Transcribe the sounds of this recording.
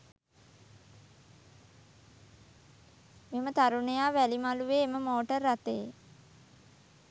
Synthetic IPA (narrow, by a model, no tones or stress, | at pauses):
memət̪aɾuɳəjaːʋælimaluʋeːməmoːʈərːat̪ej